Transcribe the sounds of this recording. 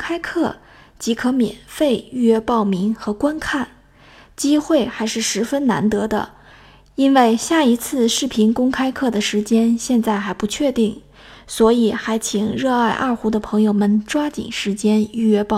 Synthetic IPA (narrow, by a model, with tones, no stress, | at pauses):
kʰa˥ɪkʰɤ˥˩ | t͡ɕi˧˥kʰɤ˧˥mjɛ̰˨˩nfe˥˧ɪy˥˧˩ɥɛ˥˧pɑ˥˩ʊmi˧˥ŋxɤ˧˥kwa˥nkʰa˥˩n | t͡ɕi˥xwe˥˩ɪxa˧˥ɪʂɻ̩˥˩ʂɻ̩˧˥fə˥nna̰˧˥nt̪ɤ˧˥d̪ə̰˧ | i˥nwe˥˧ɪɕja˥˩i˧˥t͡sʰɹ̩˥˧ʂɻ̩˥˩pʰi˧˥nkʊ˥ŋkʰa˥ɪkʰɤ˥˩d̪ə˩ʂɻ̩˧˥t͡ɕjɛ˥nɕjɛ˥˧nt͡sa˥˩ɪxa˧˥ɪpu˧˥t͡ɕʰɥɛ˥˧t̪i˥˩ŋ | swɔ˧˥i˨˩xa˧˥ɪt͡ɕʰi˨˩ŋɻɤ˥˧a˥˧ɪʔɐ̰˞˥˩xu˧˥d̪ə˧pʰɤ˧˥ŋjo˧ʊmə˨nʈ͡ʂwa˥t͡ɕḭ˨˩ŋʂɻ̩˧˥t͡ɕjɛ˥ny˥˧ɥɛ˥pɑ˥˧